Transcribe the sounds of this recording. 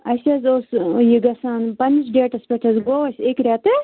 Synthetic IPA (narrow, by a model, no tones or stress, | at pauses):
ɐsʲɐzoːsjiɡɐsaːnpɐnt͡ʃɖeːʈɐspʲeʈʰɐzɡoːʋɐsʲekɾʲat̪ɨ